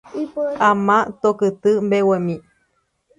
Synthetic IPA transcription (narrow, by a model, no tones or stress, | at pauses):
amãt̪okɨt̪ɨmbewemĩ